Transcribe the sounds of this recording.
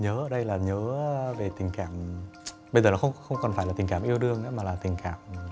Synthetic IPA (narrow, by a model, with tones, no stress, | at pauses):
ɲəː˨˦ʔəː˧˩ɗə˧jlaː˨˩ɲəː˨˦ve˨˩t̪ï˨˩ŋ̟kaː˧˩˨m | ɓə˧jzəː˨˩laː˨˩xə˧wŋ͡mxə˧wŋ͡mkɔ˨˩nfaː˧˩la˨˩ï˨˩ŋ̟kaː˧˩˨ʔi˧əwɗɨ˧əŋʔaː˨˦maː˨˩laː˨˩t̪ï˨˩ŋ̟kaː˧˩˨m˨